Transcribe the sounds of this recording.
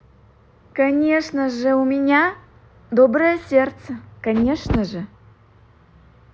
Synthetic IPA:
kɐnʲeʂnəʐəumʲɪnʲa | d̪obrəjəsʲert̪səkɐnʲeʂnəʐə

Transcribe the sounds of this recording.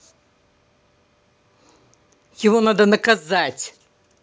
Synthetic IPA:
javɔnad̪ɐnɐkazat͡sʲ

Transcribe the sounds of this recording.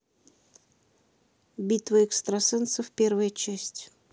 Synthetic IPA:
bʲit̪vəɛkst̪ɾɐsɨnt̪sɨfʲpʲervəjət͡ɕæsʲtʲ

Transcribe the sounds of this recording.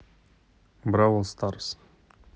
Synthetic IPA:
bɾawəlˠst̪ɑɾs

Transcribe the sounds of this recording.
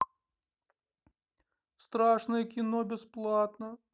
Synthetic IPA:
st̪ɾaʂnɨjəkʲɪnobʲɪsplˠat̪nə

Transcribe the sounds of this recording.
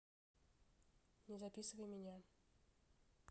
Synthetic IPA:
nʲɪzapʲisɨvəjmʲɪnʲa

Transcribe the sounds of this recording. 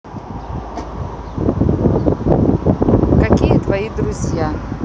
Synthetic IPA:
kakʲijət̪vajid̪ɾuzʲja

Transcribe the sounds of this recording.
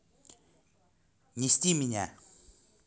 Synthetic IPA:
ɲist̪imiɲa

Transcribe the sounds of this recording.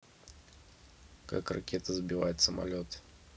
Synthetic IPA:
ka̰kra̰kʲet̪əzbʲɪvatʲsəma̰lʲot̪

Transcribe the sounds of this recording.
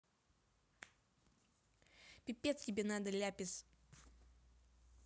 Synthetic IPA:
pʲɪpʲːet̪stʲɪbʲenad̪əlʲæpʲɪs

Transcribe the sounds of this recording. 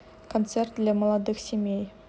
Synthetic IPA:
kʰont̪sert̪leməlˠɑd̪əksʲemʲej

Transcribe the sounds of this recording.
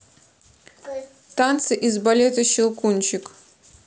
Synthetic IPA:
t̪ant̪sɨʔizbɐlʲet̪ɐɕɪlˠkunʲt͡ɕɪk

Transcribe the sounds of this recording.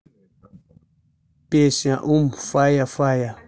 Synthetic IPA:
pesĩãʔumfajafaja

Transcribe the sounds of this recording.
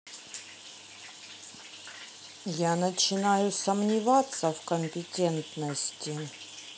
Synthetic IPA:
janət͡ɕɪnajʊsəmnʲɪvat̪səvkəmʲpʲɪtʲɛnt̪nəsʲtʲɪ

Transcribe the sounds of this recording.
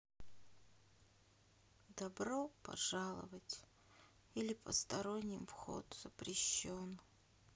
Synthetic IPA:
d̪ɐbɾo̞pɐ̰ʐalˠə̰vətʲ | ilʲɪpə̰st̪ɐɾonʲːɪmfxo̰t̪z̥əpɾʲɪɕːon

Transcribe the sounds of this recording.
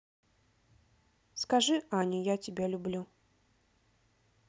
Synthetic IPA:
skaʐɨanʲujat͡sʲibʲɛlʲublʲu

